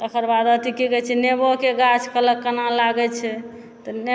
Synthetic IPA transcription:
t̪əkʰəɾbad̪ət̪ikikɛt͡ʃʰɛnebokeɡat͡ʃʰkələkːənãlaɡɛt͡ʃʰɛ | t̪ɔn

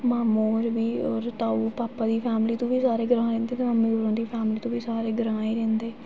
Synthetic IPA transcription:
maːmoːɾbiːɔːɾt̪aːuːpaːpaːd̪iːpʰɛːmliːt̪õːʋiːsaːɾeːɡəɾãːɾẽːnd̪eːt̪ẽməmiːɡoːɾõːd̪iːpʰɛːmliːt̪õːbiːsaːɾeːɡəɾãːiːɾẽːnd̪eː

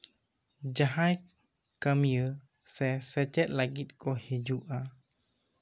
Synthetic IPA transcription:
d͡ʒaɦaj | kamijə | sɛsɛt͡ʃɛt̪̚laɡit̪̚kohid͡ʒuʔa

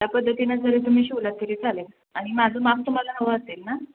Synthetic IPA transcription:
japəd̪ʱːət̪inad͡zəɾet̪um̤iːɕiʋlat̪ːəɾiːt͡salel | aɽ̃imad͡zʱomap̚t̪um̤alanəʋəəselna

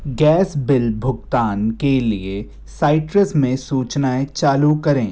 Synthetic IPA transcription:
ɡɛːsbɪlbʱʊɡt̪aːnkelie | saːɪʈɾəsmẽsuːt͡ʃnaet͡ʃaːlukɐɾẽː

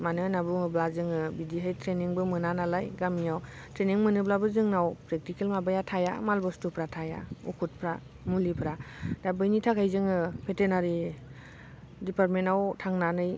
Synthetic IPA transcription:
manɯnabɯmɯblazɯŋɯbidiɦajtʰɾeniŋbɯmɯnanalajɡamijaw | tʰɾeniŋmɯnɯblabɯzɯŋnawpɾek̚tikelmabajatʰaja̰malbɔstupʰɾatʰaja̰ṵkʰut̚pʰɾa | mulipʰɾadabɯjnitʰakʰajzɯŋɯpʰetenaɾi | dipaɾt̚menawtʰaŋnanɯj

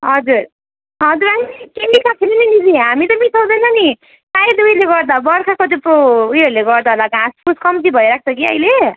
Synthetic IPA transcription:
ɦʌd͡zuɾ | ɦʌd͡zuɾaikemɖikʰat̪ʰiɾinʌnid͡ziɦamit̪ʌmit̪ʰʌwd̪ʌjnʌni | t̪ajd̪ujleɡʌɾd̪abʌɾkʰakod̪epoujʌɾuleɡʌɾd̪aɦolaɡãspuskʌmd͡zibʱʌjɾak̚ʰt͡sʰʌkiʌ̰jle

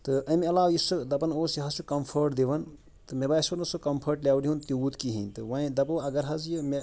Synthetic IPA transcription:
t̪ɨɐmeɐlaːʋjisɨd̪ɐpɐnoːsjiɦɐsukɐmpʰɐɾʈd̪iʋɐn | t̪ɨmebaːjsbɐɾnɐsukɐmpʰɐɾʈlʲaːʋliɦunt̪iuːt̪kiɦint̪ɨʋɐĩd̪ɐpɐɐɡɐɾɦɐzjɨme

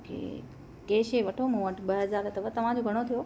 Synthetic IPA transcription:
kʰḛː | keːʃeʋɐʈʰomũʋəʈʰɓɐɦɐzaːɾət̪ɐʋət̪ɐʋ̤ãd͡ʑoɡʱɐɽ̃ot̪ʰijo

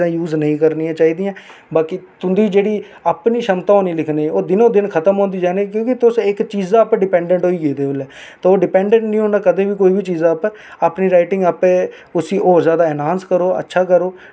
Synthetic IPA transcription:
ãːjuːznəɦĩːkəɾniːãːt͡ʃaːiːd̪ɪjãː | baːkit̪ʊnd̪iːd͡ʒeːɽiː | aːpniːʃəmt̪ãːõːnĩːlɪkʰneːoːd̪ɪnõːd̪ɪnkʰət̪əmɦõːnd̪iːd͡ʒaːneːk̬jõːkɪt̪ʊsɪkt͡ʃiːzãːəpɛ̃ɖɪpɛ̃ːɳɖə̃ɳʈɦoːiːɡeːd̪eːʊlɛː | t̪aːoːɖɪpɛ̃ːɳɖɛ̃ɳʈnĩːɦoːnaːkəd̪ẽːbiːkoːiːbʱiːt͡ʃiːzãːpɛ | aːpniːɾaːɪʈɪ̃ŋɡəpɛ̃ː | ʊsiːʔoːzjaːd̪aːɛːnãːnskəɾoːə̰tːʃʰaːkəɾoː

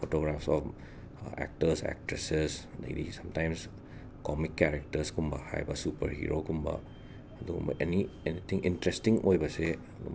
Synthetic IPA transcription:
fotoɡɾafsɔf | ɛ̰k̚təsɛ̰k̚ʈɾɛsɛsdḛdḭsãmtãjms | kɔmikːɛɾɛk̚təskumbaha̰jbasupə̰ɾhḭɾokumba̰ | doa̰ʔenienit̪ʰĩŋʔĩntɾɛstĩŋʔojbase

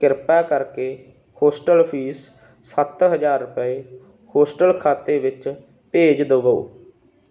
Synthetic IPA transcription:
kɪɾpɛːkəɾkeː | hoːsʈəlpʰiːs | sət̪ɦəd͡ʒaːɾːʊpəeː | hoːsʈəlkʰaːt̪eːʋɪt͡ʃ | peːd͡ʒd̪əbəo̰ː

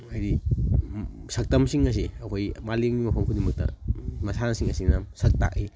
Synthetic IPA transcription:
ɐjdi | sɐk̚tɐmsiŋɐs̬iɐkʰojmaliŋɡimɐpʰɐmkʰudimɐk̚tɐ̰mɐsanɐsiŋɐsinɐsɐk̚ta̰k̚i

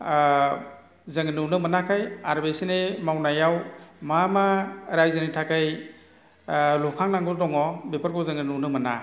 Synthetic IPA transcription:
zɯŋnuwnɯmənakʰajaɾbesinemawnajawmamaɾajzɯnitʰakʰaj | lɔkʰaŋnaŋɡɔdɔŋɔbepʰaɾkʰɔzɯŋɯnuwnɯmana̰

